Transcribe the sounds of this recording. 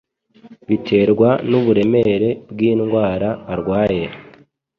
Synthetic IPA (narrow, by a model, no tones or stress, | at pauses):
βitʰe̞ːɾɡwanuβuɾe̞me̞ɾe̞bɡiːnɡwaːɾaːɾɡwaːje